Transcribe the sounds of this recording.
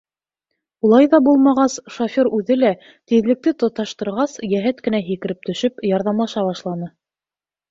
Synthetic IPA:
ulˠɑjðɑbulˠmɑʁɑsʃofʲoɾʉðɘlæ | t̪iðlɘ̆k̚t̪ɘt̪ŏt̪ɑʃt̪ɤ̆ɾʁɑsjæɦɘt̪kɘ̆næɦikɘ̆ɾɘp̚t̪ɵ̆ʃɘpjɑɾðɑmlˠɑʃɑβɑʃlˠɑnɤ

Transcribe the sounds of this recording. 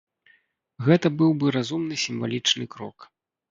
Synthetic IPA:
ɣɛt̪ɐbɨwbɨɾazumnɨsʲimva̰lʲit͡ʂnɨkɾɔ̰k

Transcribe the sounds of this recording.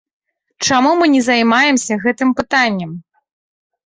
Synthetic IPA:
t͡ʂamumɨnʲɛzɐjmajɛmsʲɐɣɛt̪ɨmpɨt̪anʲːɐm

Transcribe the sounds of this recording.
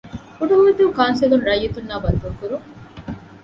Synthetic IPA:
uɖɐɦuʋid̪uːkaːnselunɾɐjːet̪unːaːbɐnt̪uɾukuɾuŋ

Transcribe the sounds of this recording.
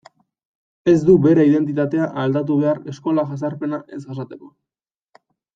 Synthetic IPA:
e̞zd̪uβe̞ɾeið̞e̞nt̪̬it̪at̪e̞aʔald̪at̪̬uβe̞aɾe̞sko̞laʝas̬aɾpe̞naʔe̞zɣasat̪e̞ko̞

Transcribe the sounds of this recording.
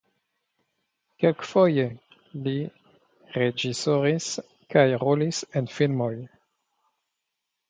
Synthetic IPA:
kelkfoje | li | ɾed͡ʒisoɾis | kajʁolisenfilmoj

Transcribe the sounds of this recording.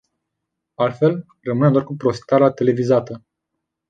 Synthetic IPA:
alt̪fe̞l | rəmɨned̪oarkupɾo̞st̪aɾat̪e̞le̞vizat̪ə

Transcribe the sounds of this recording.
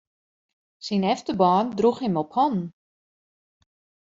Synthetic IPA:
sinɛftəbɔːndruxɦɪmɔphɔn

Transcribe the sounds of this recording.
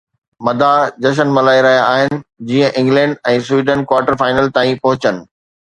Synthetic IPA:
mɐd̪ʱad͡ʑɐʃ̬ənmɐlaːiɾɐɦijaaːɦɪnɪ̆d͡ʑiːə̃ʔɪ̃ŋɡlɛ̃ːɳɖɛ̃ːswiːɖənkwaːɾʈəɾfaːɪnəlt̪aːĩpɐɦʊt͡ɕənɪ̆

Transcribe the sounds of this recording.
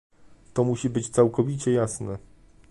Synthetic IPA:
t̪ɔmuɕibɘt͡ɕt̪sawkɔvʲit͡ɕɛjasnɛ

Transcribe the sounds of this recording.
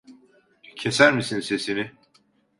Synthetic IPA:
cʰesæɾmisinse̞sinɪ

